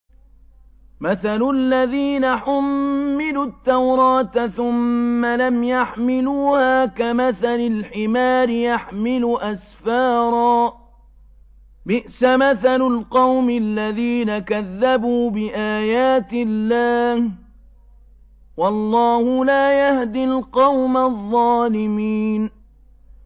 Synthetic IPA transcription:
maθalʊlːaðiːnaħʊmːɪlut̪ːawɾˤɑːt̪θʊmːalamjaħmɪluːhaːkamaθalalħɪmaːɾɪjaħmɪlʊʔasfɑːɾˤɑː | bɪʔsamaθalalqɑwmɪlːaðiːnakaðːabuːbɪʔaːjaːt̪ɪlːaːh | wɑlˤːɑːhʊlaːjahd̪ɪlqɑwmaðˤːɑːlɪmiːn

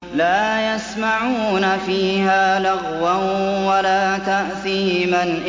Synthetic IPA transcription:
laːjasmaʕuːnafiːɦaːlaɣwanwalaːt̪aʔθiːmanʔ

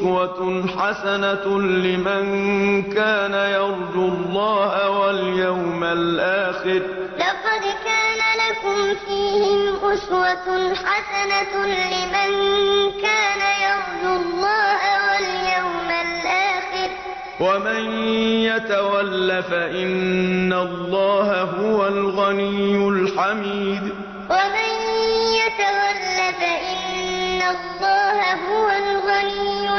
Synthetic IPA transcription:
waħasanalɪmankaːnajɑɾˤd͡ʒʊlˤːɑːhawaljawmalʔaːxɪɾlɑqɑd̪kaːnalakʊmfiːhɪmʔʊswaħasanalɪmankaːnajɑɾˤd͡ʒʊlˤːɑːhawaljawmalʔaːxɪɾ | wamanjat̪awalːafaʔɪnːalˤːɑːhaɦʊwalɣanijːʊlħamiːd̪ | wamanjat̪awalːafaʔɪnːalˤːɑːhaɦʊwalɣanijːʊ

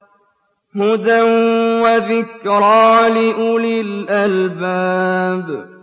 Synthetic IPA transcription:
hʊd̪awaðɪkɾɑːlɪʔʊlɪlʔalbaːb

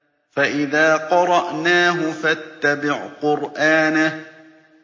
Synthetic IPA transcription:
faʔɪðaːqɑɾˤɑʔnaːɦʊfat̪ːabɪʕqʊɾʔaːna

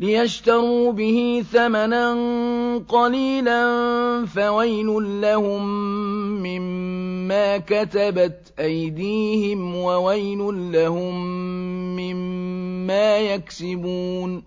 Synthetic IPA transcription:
lɪjaʃt̪ɑɾuːbɪhɪθamananqɑliːlanfawajlʊnlahʊmː | ɪmːaːkat̪abat̪ʔajd̪iːhɪmwawajlʊnlahʊmː | ɪmː | aːjaksɪbuːn

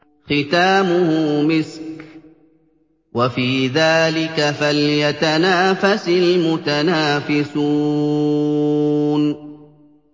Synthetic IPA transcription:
xɪt̪aːmʊhʊmɪsk | wafiːðaːlɪkafaljat̪anaːfasɪlmʊt̪anaːfɪsuː | n

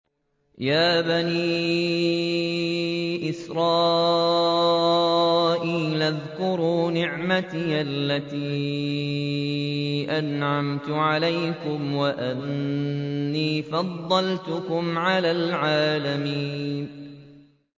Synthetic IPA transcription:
jaːbaniː | ʔɪsɾˤɑː | ʔiːlʔaðkʊɾuːnɪʕmat̪iːʔalːat̪iː | ʔanʕamt̪ʊʕalajkʊmwaʔanː | iːfɑd̪ˤːɑlt̪ʊkʊmʕalaːlʕaːlamiːnn

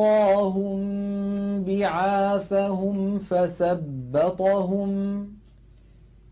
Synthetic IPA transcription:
ɑːɦʊm | bɪʕaːθaɦʊmfaθabːɑt̪ˤɑɦʊm

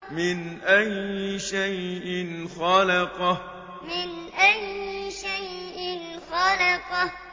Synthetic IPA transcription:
mɪnʔajɪʃajʔɪnxalɑqɑ | mɪnʔajɪʃajʔɪnxɑlɑqɑ

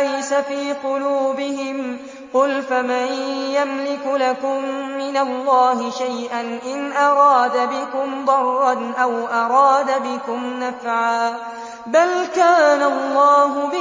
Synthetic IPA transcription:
ajsafiːqʊluːbɪhɪm | qʊlfamanjamlɪkʊlakʊmːɪnalːɑːhɪʃajʔanʔɪnʔɑɾˤɑːd̪abɪkʊmd̪ˤɑrˤːɑnʔawʔɑɾˤɑːd̪abɪkʊmnafʕaː | balkaːnalˤːɑːɦʊbɪ

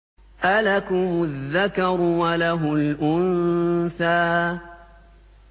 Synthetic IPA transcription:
ʔalakʊmʊðːakɑɾʊwalaɦʊlʔʊnθaː

